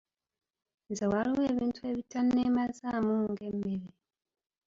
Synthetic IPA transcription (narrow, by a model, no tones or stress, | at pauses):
nzewaɾiweːβiːntueβitanemazamuŋɡemeɾe